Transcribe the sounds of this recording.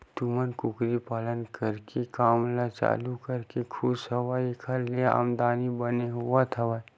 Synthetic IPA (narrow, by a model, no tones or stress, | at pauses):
t̪umənkʊkɾipaːlənkəɾkekaːmlat͡ʃa̰ːlukəɾkekʰusɐʋaekʰəɾliea̰ːmd̪aːnibəneɦuat̪ʰɐʋa